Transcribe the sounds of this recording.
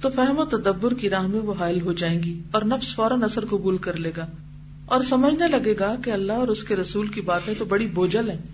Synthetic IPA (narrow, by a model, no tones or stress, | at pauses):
t̪ofɛɦmot̪ɐd̪əbːʊɾkiɾaːɦmẽʋoɦaːɪlɦod͡ʒaːẽːŋɡiɔːɾnɐfsfɔːɾənɐsəɾkʊbuːlkɐɾleːɡaː | ɔːɾsɐməd͡ʒʱnalɐɡeːɡakeɐlːaɦɔːɾʊskeɾɐsuːlkibaːt̪ɦẽt̪obɐɽiboːd͡ʒəlɦɛ̃ː